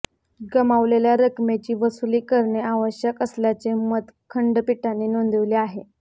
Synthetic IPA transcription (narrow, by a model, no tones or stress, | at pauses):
ɡəmaʋleljaɾəkmet͡ɕiːʋəsuliːkəɾɳeaʋəɕjəkəsljat͡semət̪kʰəɳɖpiʈanːeːnond̪əʋleaɦe